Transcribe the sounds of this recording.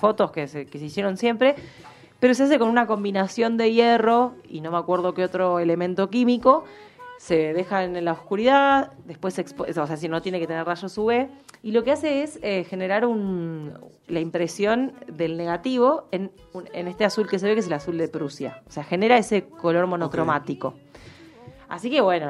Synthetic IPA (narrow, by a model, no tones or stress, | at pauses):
fo̞t̪o̞skesekeseisje̞ɾo̞nsje̞mpɾe̞ | pe̞ɾo̞s̬eas̬e̞ko̞nunako̞mbinasjo̞nd̪e̞je̞ro̞ḭno̞meakwe̞ɾðo̞keot̪ɾo̞ele̞mẽnt̪o̞kimiko̞ | se̞ðe̞xaenlaoskuɾiðad̪ehpwesːekspooseas̬ino̞t̪je̞neke̞t̪eneraʃosuβe | ilo̞kease̞esexe̞ne̞ɾaɾun | laimpɾe̞sjo̞nd̪e̞lne̞ɣat̪iβo̞en | uḛne̞st̪easulke̞s̬eβe̞keselasuld̪e̞pɾusja̰oseaxe̞ne̞ɾae̞se̞ko̞lo̞ɾmo̞no̞kɾo̞mat̪iko̞̰ | a̰sike̞βwe̞no